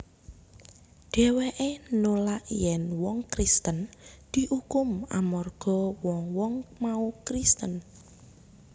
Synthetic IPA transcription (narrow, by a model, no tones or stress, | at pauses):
ɖ̥e̤weʔenolaʔjɛnwɔŋkɾist̪ənd̪̥i̤hukʊma̰mɔrɡ̥ɔ̤wɔŋwɔŋmaukɾist̪ən